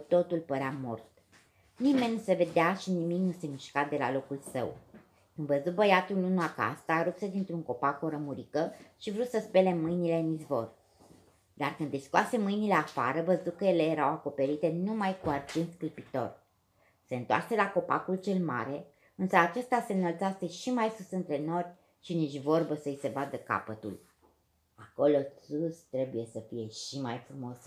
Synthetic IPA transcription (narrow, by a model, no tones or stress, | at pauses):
t̪o̞t̪ulpəɾeamo̞̰rt̪ | nime̞nʲnːuse̞ve̞d̪eaʃinimiknuse̞miʃkat̪̚d̪e̞la̰lo̞kulsə̰w | kɨnvəzut̚bəjat̪ulunuaka̰st̪aɾupsed̪int̪ɾuŋko̞pako̞ɾəmuɾikəʃivɾusəspe̞le̞mɨjnile̞ɨnizvo̞̰r | d̪arkɨnd̪iskuase̞mɨjnile̞afaɾəvəzukəjele̞je̞ɾawako̞pe̞ɾit̪e̞numajkuart͡ʃent̪sk̪ɾipit̪o̞̰r | se̞ɨnt̪oa̰rse̞lako̞pa̰kult͡ʃe̞lma̰ɾe̞ | ɨnsəat͡ʃe̞st̪ase̞nəlt̪sase̞ʃimajsusɨnt̪ɾe̞no̞rʲ | ʃiniʃʲvo̞rbəsəise̞bad̪əka̰pət̪ṵl | ako̞lo̞sust̪ɾe̞buje̞səfije̞ʃimajfɾumo̞s